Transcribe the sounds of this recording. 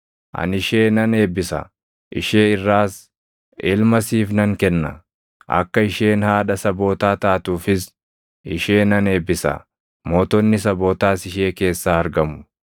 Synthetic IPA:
ʔɐ̰nɪʃe̞ːnɐne̞ːbɪsɐ̰ | ʔɪ̰ʃeːɪrːaːs | ʔɪlmɐsiːfnɐŋkɛnːɐ̰ | ʔɐ̰kːɐɪʃe̞ːnhaːᶑɐsɐbo̞ːt̪aːt̪aːt̪uːfɪs | ɪʃe̞ːnɐne̞ːbɪsɐ̰ | mo̞ːt̪ɔnːɪsɐbo̞ːt̪aːsɪʃeːke̞ːsːaːɐɾɡɐmʊ̥

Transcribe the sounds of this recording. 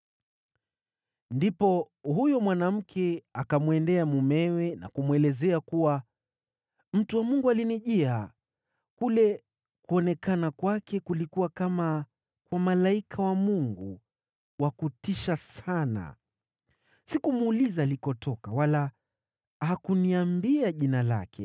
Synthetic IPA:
ndipɔ | hujɔmwanam̩kʰɛakamwɛndɛamumɛwɛna̰kumwɛlɛzɛakuwa | m̩tuwamuŋɡualiniʄia | kulɛ | kuɔnɛkanakwakɛkulikuwakama | kwamalaikʰawamuŋɡu | wakutiʃasana̰ | sikumuːlizaːlikɔtɔkawala | hakuniambiaʄinala̰kʰɛ̰

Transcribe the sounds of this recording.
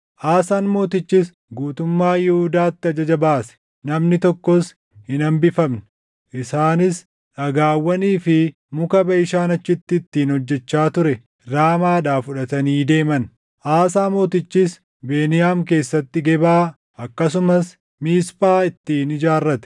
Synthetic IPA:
ʔaːsaːnmo̞ːt̪ɪt͡ʃːɪs | ɡuːt̪ʊmːaːjɪhʊd̪aːt̪ːɪɐd͡ʒɐd͡ʒɐbaːsɛ̥ | nɐmnɪt̪ɔkːɔs | hɪnɐmbɪfɐmn | ʔɪsaːnɪs | ᶑɐɡaːwːɐniːfɪ | mʊkɐbɐɪʃaːnɐt͡ʃːɪt̪ːɪːt̪ːiːnhɔd͡ʒːɛt͡ʃːaːt̪ʊɾɛ | ɾaːmaːᶑaːfʊᶑɐt̪ɐniːd̪e̞ːmɐn | ʔaːsaːmo̞ːt̪ɪt͡ʃːis | be̞ːnɪjaːmke̞ːsːɐt̪ːɪɡɛbaː | ɐkːɐs̬ʊmɐs | miːspʼaːɪt̪ːiːnɪd͡ʒaːrːɐt̪ɛ̥

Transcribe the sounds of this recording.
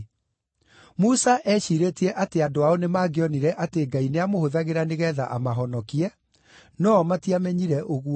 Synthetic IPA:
musaʔɛʃiɾetiɛʔateadoaɔnemaːɡeɔniɾɛʔateɡaineamohoðaɣeɾaneɣɛða̰ʔamaɦɔnɔkiɛ | nɔmatiamɛɲiɾɛʔoɣu

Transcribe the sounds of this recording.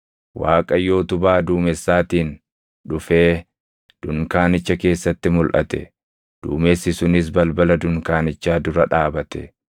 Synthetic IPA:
waːkʼɐjo̞ːt̪ʊbaːd̪uːmɛsːaːt̪iːn | ᶑʊfe̞ː | d̪̥ʊŋkaːnɪt͡ʃːɐke̞ːsːɐt̪ːɪmʊlʔɐ̰t̪ɛ̰ | d̪̥ṵːmesːɪsʊnɪs̬bɐlbɐlɐd̪ʊŋkaːnɪt͡ʃːaːd̪ʊɾɐᶑaːbɐt̪ɛ

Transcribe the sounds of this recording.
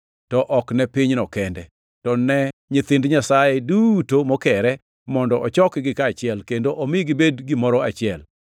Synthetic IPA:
tɔʔɔknɛpiɲnɔkɛndɛ | tɔnɛɲɪt̪ɪndɲasajɛdutomɔkɛɾɛ | mɔndɔʔɔt͡ʃɔkɡɪkaːt͡ʃɪɛlkendoʔomɪɡɪbedɡimɔɾɔat͡ʃɪɛl

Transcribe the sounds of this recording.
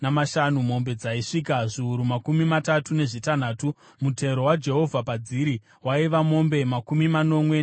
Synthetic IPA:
namaʃanumo̞mbe̞d͡zaiʂiːkaʐiuɾumakumimatatune̞ʐitan̤aːtu | mute̞ɾo̞wad͡ʒe̞ɦo̞vʱapad͡ziɾi | waiʋamo̞mbe̞makumimano̞mwe

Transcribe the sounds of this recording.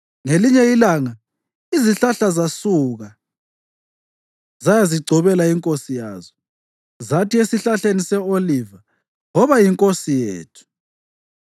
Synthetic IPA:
ŋeliɲɛjilaŋa | iziɬaɬazasuɣa | zajaziɡ͡ǀʱɔβɛlaiŋkʼosijaːzɔ | zatʰiesiɬaɬenisɛoliva | ŋɔβajiŋkʼosijeːtʰu̥

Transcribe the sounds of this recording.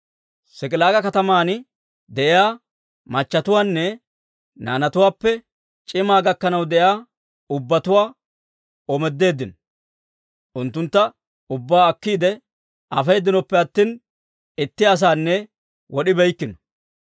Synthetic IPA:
sɪkʼɪlaːɡɐkɐt̪ɐmaːnɪ | d̪ɛʔɪjaː | mɐt͡ʃːɐt̪ʊwaːnːɛ | na̰ːnɐt̪ʊwaːpːɛ | t͡ʃʼɪmaːɡɐkːɐnɐwd̪ɛjaː | ʊbːɐt̪ʊwaː | ɔmɛd̪ːe̞ːd̪ːɪnɔ | ʔʊnt̪ːʊnt̪ːɐ | ʊbːaːɐkːiːd̪ɛ | ʔɐfejːd̪ːɪnɔpːɛɐt̪ːiːn | ɪt̪ːɪɐs̬aːnːɛ | wɔɗɪbɛjkːɪnɔ̥

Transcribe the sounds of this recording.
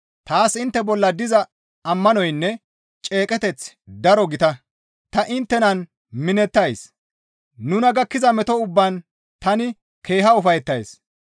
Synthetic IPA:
t̪aːsɪnt̪ːɛbɔlːɐd̪ɪzɐ | ɐmːɐnɔjnːɛ | t͡ʃʼe̞ːkʼɛt̪ɛt͡s | d̪ɐɾɔɡɪt̪ɐ | t̪ɐʔɪnt̪ːɛnɐn | mɪnɛt̪ːɐjs | nʊnɐɡɐkːɪzɐmɛt̪ɔʊbːɐn | t̪ɐnɪ | kʰe̞ːɦɐʊfɐjɛt̪ːɐjs

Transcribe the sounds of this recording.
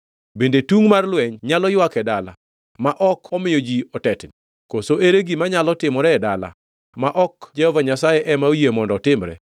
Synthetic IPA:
bendetuŋmarlwɛɲɲalɔjwakɛdala̰ | maʔɔkʰɔmɪjod͡ʒiɔtɛtni | kosoʔeɾeɡimaɲalɔtɪmɔɾɛdala̰ | maʔɔkd͡ʒɛhɔvaɲasajɛʔɛmaojemɔndɔtɪmɾɛ̰

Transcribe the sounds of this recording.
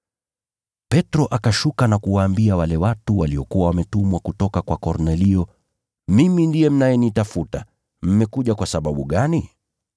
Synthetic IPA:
pɛtɾɔʔakaʃukanakuwaːmbiawalɛwatuwaliɔkuwawamɛtumwakutɔkakwakɔɾnɛliɔ | mimindijɛm̩najɛnitafuta | m̩mɛkuʄakwasaɓaɓuɠani

